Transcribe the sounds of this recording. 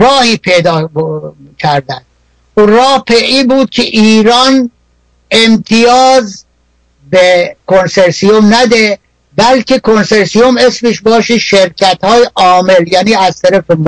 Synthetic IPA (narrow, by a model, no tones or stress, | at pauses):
ɾɒːhiːpʰejd̪ɒː | cʰæɾd̪ænd̪̥̚ | urɒːhpʰeʔiːbuːd̪̥̚kʲʰeʔiːɾɒːn | emt̪ʰijɒːz | bekʰonseɾsijomnæd̪e | bælkʰekʰonseɾsijomesmeʃbɒːʃiʃeɾcʰæt̪hɒːjeʔɒːmeljæːniːæzt̪ʰæɾæfem